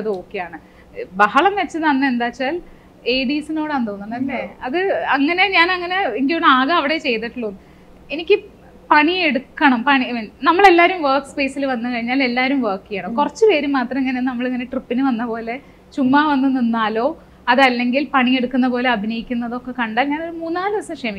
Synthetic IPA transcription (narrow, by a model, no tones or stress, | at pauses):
ɐðɨo̞ːkːejaːɳɨ | bɐhɐɭɐmʋet͡ɕːɨnɐnːɨe̞nd̪aːt͡ɕːaːl | eːɽiːsino̞ːɽɐnd̪oːnːuɳɐlːeɐðɨɐŋːɐne̞ɲaːnɐŋːɐne̞iŋɡioɳaːɣɐɐʋiɽe̞t͡ɕe̞jt̪iʈːuɭːonːɨ | enikʲːɨ | pɐɳieɽukːɐɳɐmpɐɳinɐmːɐɭe̞lːaːɾumʋerkspe̞ːsilʋɐnːɨkɐɻiɲːaːle̞lːaːɾumʋɐrkːijaːɳoːkurɐt͡ɕːɨʋe̞ːɾumːaːt̪rɐmeŋːɐnenɐmːɐɭɐŋːɐne̞ʈripːinɨʋɐnːɐpo̞ːle̞ | t͡ɕumːaːʋɐnːunːinːaːlo̞ː | ɐðɐlːe̞ŋɡilpɐɳie̞ɽukːunːɐpo̞ːle̞ɐbʱinɐjikʲːunːɐðo̞kːe̞kɐɳɖaːlɲaːno̞ɾumuːnːaːlɨʋɐsɐmkʂemi